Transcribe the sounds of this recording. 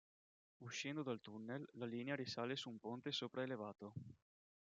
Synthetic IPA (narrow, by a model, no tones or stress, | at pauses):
uʃːɛnd̪od̪alt̪unːelːaliːneaɾisaːlesuːmpont̪esoːpɾaelevaːt̪o